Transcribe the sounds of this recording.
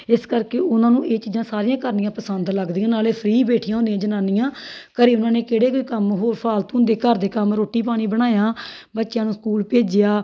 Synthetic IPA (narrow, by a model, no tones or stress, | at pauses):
ɪskəɾkeːʔʊnãːnũːʔeːt͡ʃiːd͡ʒãːsaːɾɪjãːkəɾnɪjãːpəsənd̪ləɡd̪iːãːnaːleːpʰɾiːbeːʈʰijãːɦõnd̪ijãːd͡ʒənaːnijãːkəɾiːʊnãːneːkeːɽeːkoiːkəmɦoːɾpʰaːlt̪uːnd̪eːkəɾd̪eːkəmɾoːʈːiːpaːɽ̃iːbəɽ̃aːjaːbətːʃjãːnũːskuːlpeːd͡ʒɪjaː